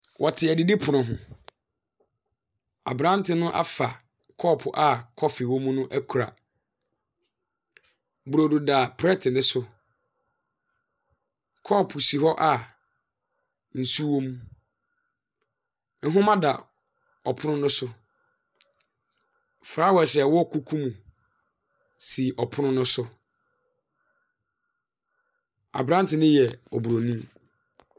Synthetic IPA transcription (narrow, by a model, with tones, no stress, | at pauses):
wʔɔ˨tʰɪ˨æ˨dɪ˨di˦pʰʊ˨nʊ̃˨ɦʊ̰̃˨ | a̰˨bɾã˦n˦tʰɪ˦nʊ̃˦ʔa̰˦fa˨ | kʰɔː˦˨pʰʊ˨ʔa˨kʰɔ˦fi˨wõ˦mũ˦nʊ̃˦ʔæ˦kʰu˨ɾa̰˨ | bu˨ɾo˨du˨da˨pʰɾɛ˦tʰɪ˨nɪ̃˦sʊ˦ | kʰɔ˦˨pʰʊ˨si˨ɦɔ˦ʔa˦˨ | n̩˨su˦wo˦mũ˦ | n̩˦ɦʊ̃˦mã˦da˨ | ɔ˨pʰʊ˦nʊ̃˦nʊ̃˦sʊ˦ | fɾa˦wɛ˨ɕɛ˨wɔ˦˨kʰu˦kʰũ˦mũ˨ | si˨ʔɔ˨pʰʊ˦nʊ̃˦nʊ̃˦sʊ˦ | a̰˨bɾã˦n˦tɪ˨nɪ̃˦jɛ˨ɔ˨bu˨ɾo˨nĩ˦m